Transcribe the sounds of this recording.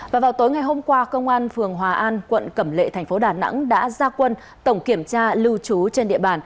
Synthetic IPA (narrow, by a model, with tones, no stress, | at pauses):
vaː˨˩vaː˨˩wt̪oː˨˦jŋa˨˩jɦo˧mkwaː˧kə˧wŋ͡mʔaː˧nfɨ˨˩əŋɦwaː˨˩ʔaː˧nkwə̰˧˨nkə˧˩mlḛ˧˨t̪ʰɛ˨˩ŋ̟fo˨˦ɗaː˨˩na̰˧˥ŋɗa̰ː˧˥zaː˧kwə˧n | t̪ə˧˩wŋ͡mki˧˩əmt͡ɕaː˧lɨ˧wt͡ɕu˨˦t͡ɕe˧nɗḭ˧˨əɓaː˨˩n